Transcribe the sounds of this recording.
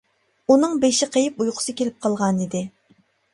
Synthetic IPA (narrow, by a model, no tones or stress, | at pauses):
unɨŋbeʃɪqʰejɪpujqʰʊ̥sɨkʲʰelɪp̚qʰɑlˠʁɑnid̪ɪ